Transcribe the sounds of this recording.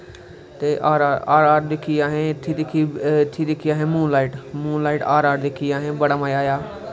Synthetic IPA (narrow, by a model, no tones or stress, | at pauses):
t̪eːʔaːɾaːaːɾaːɾd̪ɪkʰiːjaːɦẽːt̪ʰːiːd̪ɪkʰiɪt̪ʰːiːd̪ɪkʰɪjaːɦẽːmũːnlaːɪːʈmũːnlaːɪʈaːɾaːɾd̪ɪkʰːijaːɦẽːbəɽaːmaːjaːjaː